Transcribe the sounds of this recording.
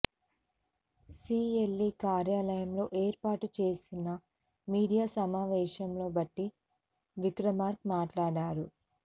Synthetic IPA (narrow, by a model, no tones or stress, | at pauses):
siːelːiːkaːɾjaːlɐjɐmlo̞ːʔeːɾpaːʈut͡ʃe̞ːsinɐ | miːɽijaːsɐmaːʋɛːʃɐmlo̞ːbɐʈːi | ʋikɾɐmaːɾk̚maːʈlaːɽaːɾu